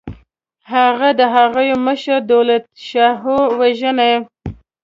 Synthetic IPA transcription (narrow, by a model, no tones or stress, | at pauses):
haɣad̪əɦaɣəjoməʃəɾd̪awlat̪ʃaɦowaʒəna